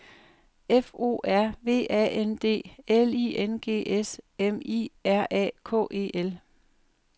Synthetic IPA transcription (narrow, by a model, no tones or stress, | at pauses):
efo̝̰ːæɐ̰ʋe̝̰ːɛ̰end̥e̝̰ːeliːenɡ̥e̝̰ːʔesemḭæɐ̰ʔɛ̰ːkʰɔ̰̽ːʔe̝̰ːʔel